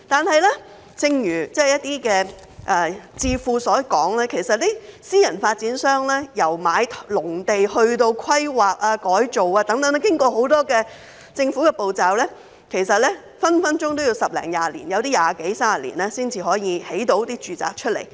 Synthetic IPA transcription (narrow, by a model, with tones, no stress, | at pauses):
t̪aː˨nhɐ˨jlɛː˥ | t͡sɪ˧ŋjyː˨˩t͡sɛː˥jɐ˥t̚t̪iː˥kɛː˧ | ʔɛ˨˧t͡siː˧fuː˧sɔː˨˥kɔː˨˥ŋlɛː˥kʰe˨˩jsɐ˨t̚liː˥siː˥jɐ˨˩nfaː˧t̚t͡siː˨˥nsœː˥ŋlɛː˥jɐ˨˩wmaː˨˧jt̪ʰlʊ˨˩ŋt̪e˨jhɵ˧ɥt̪o˧wkʰɐ˥jwaː˨k̚aː˧kɔː˨˥jt͡so˨waː˧t̪ɐ˨˥ŋt̪ɐ˨˥ŋn˥kɪ˥ŋkɔː˧ho˨˥wt̪ɔː˥kɛː˧ | t͡sɪ˧ŋfuː˨˥kɛː˧po˨wt͡saː˨wlɛː˥ | kʰe˨˩jsɐ˨t̚lɛː˥ | fɐ˥nfɐ˥nt͡ʃʊ˥ŋt̪o˥wji˧wsɐ˨p̚lɛ̰ː˨˩ŋjaː˧lḭ˨˩njɐ˨˧wt̪iː˥jaː˨ke˨˥jsaː˥a˨lḭ˨˩nɛː˥siː˥nt͡siː˨ɦɔː˨˥jiː˨˧he˨˥jt̪o˨˥wt̪iː˥t͡ʃyː˨t͡sa̰ː˨k̚t͡ʃʰɵ˥t̚lḛ˨˩j